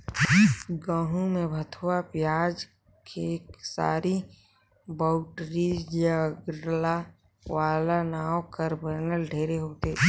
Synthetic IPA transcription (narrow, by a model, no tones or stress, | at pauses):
ɡãːɦũmẽbʱət̪ʰwapjaːd͡ʒ | kʰeksa̰ːɾi | baʊʈɾijaɡɾla | waːlanaːokəɾbəɾnəlɖʱeːɾeɦoːt̪eː